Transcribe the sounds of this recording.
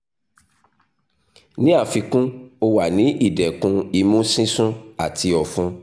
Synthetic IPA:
nĩ˦a˦˨fi˧kũ˦o˧wa˨nĩ˨˦ʔi˦˨dɛ˨kũ˧i˧mũ˦sĩ˦sũ˦a˨ti˧ɔ˨fũ˦

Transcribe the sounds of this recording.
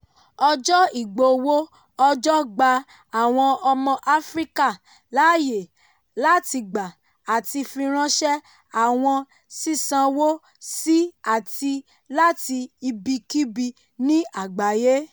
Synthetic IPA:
ɔ˧d͡ʒɔ˦i˦˨ɡ͡bo˧wo˦ | ɔ˧d͡ʒɔ˦ɡ͡ba˧ | a˨w̃ɔ̃˧ɔ˧mɔ̃˧ʔa˦fɾi˦ka˦˨ | la˨˦je˨ | la˦ti˧ɡ͡ba˨ | a˨ti˧fĩ˧ɾ̃ã˦ʃɛ˦ | a˨w̃ɔ̃˧ | si˦˨sã˧wo˦ | si˦a˨ti˧ | la˦ti˧i˧bi˧ki˦bi˧ | nĩ˦a˦˨ɡ͡ba˨je˦

